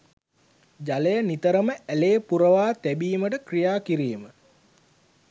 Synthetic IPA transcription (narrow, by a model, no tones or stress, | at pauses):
d͡ʒalejənit̪əɾəməæleːpuɾəʋaːt̪æbiːməʈəkrijaːkiɾiːmə